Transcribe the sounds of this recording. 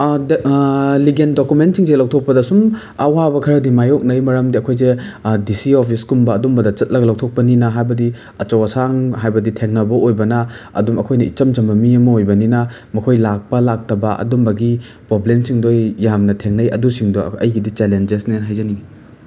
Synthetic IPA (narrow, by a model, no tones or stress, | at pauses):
liɡendokument̚siŋselaw̚tʰok̚pɐdɐsum | ɐwabɐkʰɐɾɐdimajok̚nɐjmɐɾɐmdiɐkʰojzedisiopʰiskumbɐːdumbɐdɐt͡ʃɐt̚lɐɡɐlaw̚tʰok̚pɐninɐɦajbɐdi | ɐt͡ʃɐwɐsaŋɦajbɐditʰeŋnɐbɐojbɐnɐ | ɐ̰dumɐkʰojnɐḭt͡ʃɐmd͡ʒɐmbɐmiɐmɐojbɐninɐ | mɐkʰojlak̚pɐlak̚tɐbɐɐ̰dumbɐɡi | pɾoblemsiŋdojːamnɐtʰeŋnɐjɐ̰dusiŋdoɐ̰jɡidit͡ʃelend͡ʒesnenɦajzɐnii